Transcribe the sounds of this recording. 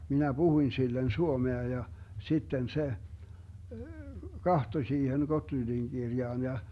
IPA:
minæ b̥uhuĭn silːen suomeɑ jɑ sitːen se kɑhtoĭ siːhen ɡotlyndiŋ ɡ̊irjɑːn jɑ

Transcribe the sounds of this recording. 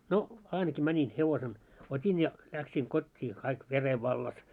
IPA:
no ɑinɑki mænʲin heʋosen otʲin jɑ læksiːŋ kotʲːiː kɑik ʋere ʋɑlːɑs

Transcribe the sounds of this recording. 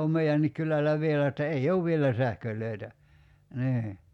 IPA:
om meiænːik kylælˑæ ʋielæ etːæ ei ouʋ ʋielæ sæhkølˑøˑi̞tæ niː

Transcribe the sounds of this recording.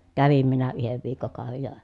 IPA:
kæʋim minæ yheʋ ʋiːkːokɑˑoʋej jɑ

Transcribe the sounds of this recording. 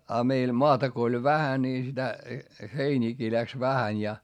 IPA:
ɑ meil moɑtɑ ko olʲ ʋæhæ niː sitæ heiniːkiː læks ʋæhænʲ jɑ

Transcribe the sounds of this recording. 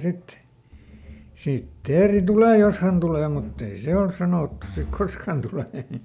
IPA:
sit sit teːri tuleˑ jos hæn tuleˑ mutː ei se ols sɑnoˑtːu sik kosk hæn tuleˑ

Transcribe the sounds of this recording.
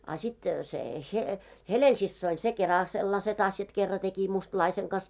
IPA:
ɑ sit se he helensisːoin se kerɑl selːɑset ɑsjɑt kerːɑ teki mustlɑiseŋ kɑs

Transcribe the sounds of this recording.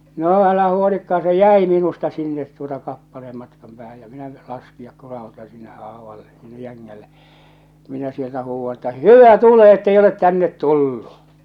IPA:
no ælæhæ huolikːɑː se jæi minustɑ sinːet tuotɑ kɑpːɑleːm mɑtkɑm pæːhæj jɑ minæ lɑskijɑk kurɑhutɑ sinːe ʔɑːʋɑlːe sinːe jæŋːælːe minæ sieltæ huːʋːɑ etːæ hyʋæ tule etːei olet tænːet tulːu

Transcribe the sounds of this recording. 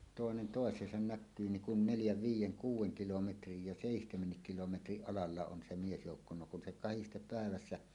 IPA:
toˑenen toˑesˑeːsɑn nækːyː niŋ kun neljæʋ ʋiːjˑeŋ kuːwˑeŋ kilometrij jɑ seˑihtemenːik kilometriʔ ʔɑlɑlːɑ on se miesjoukːo no kun se kɑhistep pæˑeʋæsːæ

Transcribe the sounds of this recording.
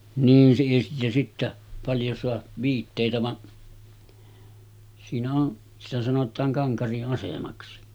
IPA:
niːn siː jɑ sitːæ pɑljo soɑ ʋiːtːeˑitæ ʋɑʔ siːnæ on sitæ sɑnotˑɑːŋ kɑŋkɑriʔ ʔɑsemɑksi

